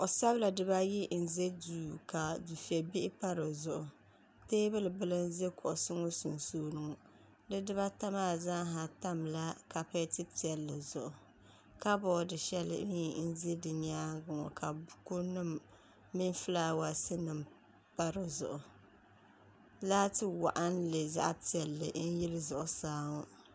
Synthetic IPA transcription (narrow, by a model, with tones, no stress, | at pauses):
o˨sa˦βla˨dɨ˨ba˦ji˦n̩˨ze˦duː˨ka˨du˨fi˨e˨bi˦ʔɪ˦pa˦ɾɨ˨zʊ˨ʔʊ˨ | teː˦bɨ˦lɨ˨bɨ˦lɨ˦n˦ze˦kɔ˨ʔʊ˨sɨ˦ŋo˦su˨nsoː˦nɨ˨ŋɔ˨ | dɨ˦dɨ˦βa˦ta˦maː˦˨za˦ɦa˨ta˦mla˦ka˨pe˦tɨ˦ti˨ɛ˨lːɨ˨zʊ˨ʔʊ˨ | ka˦bɔː˦˨dɨ˨ʃɛ˦lɨ̰˨˦i˨n̩˦ze˦dɨ˨ɲaː˦ɡʊ˨ŋɔ̰˨kʰa˨bku˦nɨ˦mː | i˦n˦fɨ˦laː˦wa˨sɨ˦nɨ˨m | pa˦ɾɨ˨zʊ̰˨ʔʊ˨ | laː˦tɨ˦wa˨ʔa˦nlɨ˨za̰˦ʔpi˦˨ɛ˨lːɨ̰˨n̩˦jɪ˦lɨ˦zʊ˨ʔʊ˨saː˦ŋɔ˦